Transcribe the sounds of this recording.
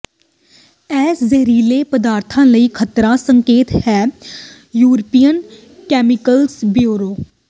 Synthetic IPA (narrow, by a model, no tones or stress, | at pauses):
ɛːszəɾiːleːpəd̪aːɾt̪ʰãːləiːkʰət̪ɾãːsəŋkeːt̪hɛː | juːɾəpiːjən | kɛːmɪkəlsbjoːɾoː